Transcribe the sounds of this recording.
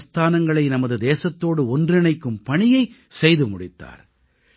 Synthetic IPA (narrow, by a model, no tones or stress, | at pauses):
st̪aːnɐŋɡɐɭɐɪnɐmɐðɯd̪eːsɐt̪ːoːɽɯɔndrɪnɐɪkːɯmpɐɳɪjɐɪ | sɛjðɯmʊɽɪt̪ːa̰ːɾ